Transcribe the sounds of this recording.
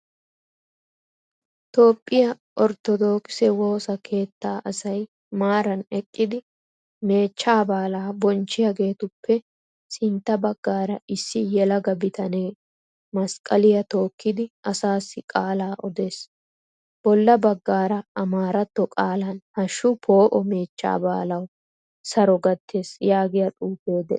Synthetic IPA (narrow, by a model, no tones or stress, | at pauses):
t̪o̞ːpʼːɪjɐ | ʔɔɾt̪ɔd̪o̞ːkɪsɛwo̞ːsɐkʰe̞ːt̪ːaːʔɐsɐj | maːɾɐnɛkʼːɪd̪ɪ | me̞ːt͡ʃːaːbaːlaːbɔnt͡ʃːɪjɐɡe̞ːt̪ʊpːɛ | sɪnt̪ːɐbɐɡːaːɾɐɪsːɪjɛlɐɡɐbɪt̪ʰɐne̞ː | mɐskʼɐlɪjɐt̪o̞ːkːɪd̪ɪʔɐsaːsːɪkʼaːlaːʔɔd̪e̞ːs | b̥ɔlːɐbɐɡːaːɾɐɐmaːɾɐt̪ːɔkʼaːlɐnhɐʃːʊpʰo̞ːʔɔme̞ːt͡ʃːa̰ːba̰ːlɐw | sɐɾɔɡɐt̪ːe̞ːsjaːɡɪjɐt̪ʼuːpe̞ːd̪ɛ